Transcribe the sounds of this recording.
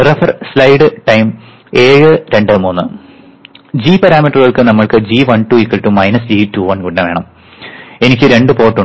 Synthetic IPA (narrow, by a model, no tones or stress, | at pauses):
rɐfɐrslɐjɖɨʈɐjm | e̞ːɻɨɾe̞ɳɖɨmuːnːɨ | d͡ʑiːpɐɾaːmiʈːɐrɨɣɐɭkɨnɐmːɐɭkɨd͡ʑiːʋɐɳʈuːikːɐɭʈːumɐjnɐsd͡ʑiːtuːʋɐnkuʈːnɐʋe̞ːɳɐm | e̞nikʲːɨɾe̞ɳɖɨpo̞ːʈːu